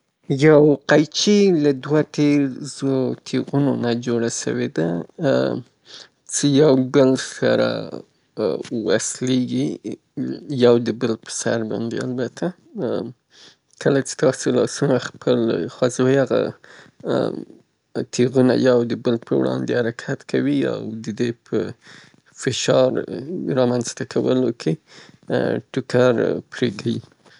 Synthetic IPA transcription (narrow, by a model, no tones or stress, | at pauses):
jawqajt͡ʃilad̪wat̪eɾzot̪ʰeɣunonad͡ʒoɽaʃə̰wed̪a | t͡səjawbəlsa̰ɾa̰ | wa̰sleɡi | jawd̪əbəlpə̥sa̰ɾbɑ̰nd̪ḛa̰lbat̪ʰa | kʰəlat͡ʃe̥t̪ɑsolɑsumaxpʰəlxwazojaɣa̰ | t̪ʰeɣuna̰jawd̪əbəlpʰəwɽɑ̰nd̪ehaɾakʰat̪kʰawia̰wd̪əd̪epʰə | fɪʃɑɾɾɑmanzt̪akʰawə̰lokʰe | ʈʊkaɾpɾekʰawi